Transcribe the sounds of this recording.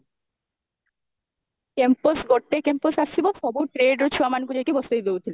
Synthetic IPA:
kemposɡoʈ̪̚ːekemposast͡ɕʰiboʃɔbuʈɾeɖɾot͡ɕʰuamankulekibɔst̪ojd̪ewt̪ʰile

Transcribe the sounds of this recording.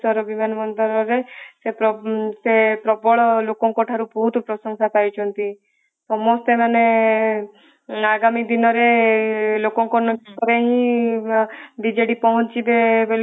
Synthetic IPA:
sɔɾɔbimanɔmɔnd̪ɔɾɔɾesepɾɔsepɾɔbɔɭɔlokɔŋkɔʈʰaɾubɔɦut̪ɔpɾɔsɔŋsapaɾit͡ʃʰɔnt̪i | sɔmɔst̪emane | aɡamid̪inɔɾe | lokɔŋkɔnɔk̪ɔɾeɦĩ | b̪id͡ʒeɽipɔɦɔ̃t͡ʃibebel

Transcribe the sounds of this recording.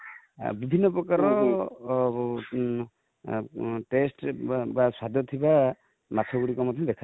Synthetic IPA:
bibʱinːɔpɾɔkaɾɔ | ʈesʈbaswad̪ʱjɔt̪ʰiba | mat̪ʰɔɡuɽikɔmɔd̪ʱɔmbɛkʰa

